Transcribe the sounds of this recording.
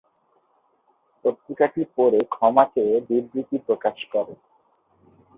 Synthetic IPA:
p̪ot̪ɾikaʈipoɾekʰɔmaked̪iɾɡɾit̪ipɾokaʃkɔɾe

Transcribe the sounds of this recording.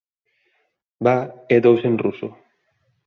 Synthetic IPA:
baed̪owsenruso̰

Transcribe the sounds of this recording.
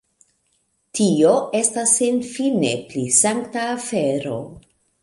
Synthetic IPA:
tʰio̞e̞stasːenfine̞̰plisaŋktaːfe̞ɾo̞̰

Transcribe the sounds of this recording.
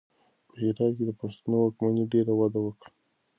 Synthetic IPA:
pəhɪɾɑd̪̚ked̪əpast̪unowɑkmaniɖeɾawad̪awəkɽa

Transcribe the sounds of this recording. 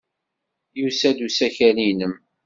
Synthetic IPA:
jusæd̪usæçæninəm

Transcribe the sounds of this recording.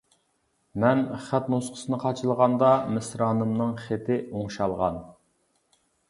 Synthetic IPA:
mɛnχæt̪nosqʰə̥sɨnɨqʰɑt͡ʃʰɨlˠʁɑnd̪ɑmɪsɾɑːnɨmnɨŋχet̪ʰɪoŋʃɑlˠʁɑ̰n

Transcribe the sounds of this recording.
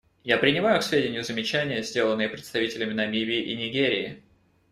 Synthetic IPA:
japɾʲɪnʲɪmajʊksvʲedʲɪnʲɪjʊzəmʲɪt͡ɕænʲɪjəzʲdʲe̞lˠənːɨjəpɾʲɪt̪st̪ɐvitʲɪlʲɪmʲɪnɐmʲivʲiːʔinʲɪɡʲeɾʲɪːɪ

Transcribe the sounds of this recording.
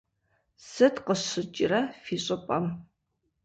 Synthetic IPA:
sɨtqəɕɨt͡ʃʼɪrɐfiːɕʼɪpʼɐm

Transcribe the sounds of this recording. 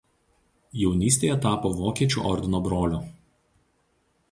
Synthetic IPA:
jɛʊnʲiːsʲt̪ʲeːjɛt̪ɑːpoːʋoːkʲiɛt͡ʃʲṵːʔɔɾʲd̪ʲɪnoːbɾoːlʲuː

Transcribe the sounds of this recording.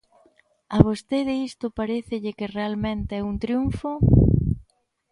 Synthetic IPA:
aβ̞ost̪eðɪist̪ʊpaɾeθɪʎɪkɪrealmẽnt̪ɪɛunt̪ɾjuɱfo

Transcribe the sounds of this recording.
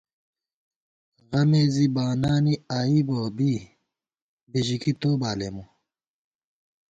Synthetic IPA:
ɣɐmeːzibaːnaːniaːiboːbi | beʑikit̪oːbaːlemu

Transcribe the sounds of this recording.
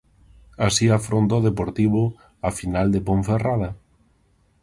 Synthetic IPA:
asiafɾont̪oðepoɾt̪iβ̞ʊ | afinald̪epoɱferað̞ɐ

